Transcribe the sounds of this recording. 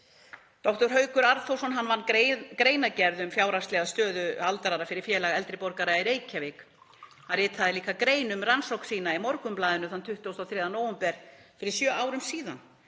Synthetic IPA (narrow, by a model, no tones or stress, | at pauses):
t̪ɔht̪ɔɾ̥ɦœɥkʏɾaɾðθowsɔnɦanːvanːkɾeːjnacɛɾðʏmfjaːwɾast̪ɛɣaðst̪œːðʏalt̪aɾaɾafɪɾɪɾ̥fjɛːlaɣɛlt̪ɾɪpɔɾkaɾaiɾeːjcʰavek | arɪːt̪ʰaðɪliːkakɾeːjnʏmransowksiːnaimɔɾkʏmplaːðʏnʏθant̪ʰʏht̪ʏowst̪ɔθɾeːðanowʏmpɛɾ̥fɪɾɪɾ̥sjœːawɾʏmsiːða̰n